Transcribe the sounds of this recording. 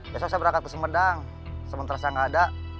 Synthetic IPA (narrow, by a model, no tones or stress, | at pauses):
jasasabəɾakat̪̚kəsəmədaŋ | səmənt̪aɾasaŋada